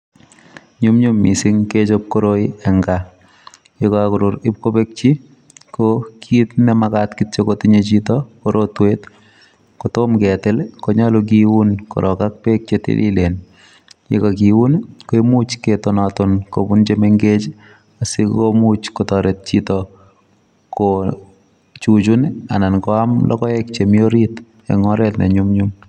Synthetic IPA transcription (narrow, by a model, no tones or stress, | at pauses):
ɲumɲumisɪŋket͡ʃop̚koɾoiɛŋɡa | jekɔakʊɾʊɾɪp̚kopek̚t͡ʃi | kokʰitnɛmakatkitt͡ʃekotiɲet͡ʃitɔkoɾʔotwet | kotomkɛtɪlkoɲalok̬iwunko̰ɾʔɔkak̚pek̚t͡ʃetḛlḭlen | jḛkak̬iunkoemut͡ʃketonatonko̰punt͡ʃemeŋɡet͡ʃ | asikkomut͡ʃkotɔɾet̚t͡ʃitɔ | ko | t͡ʃut͡ʃunanankɔamlʔɔ̰kɔɛkt͡ʃemjoɾit | ḛŋɔɾɛtnɛ̰ɲumɲum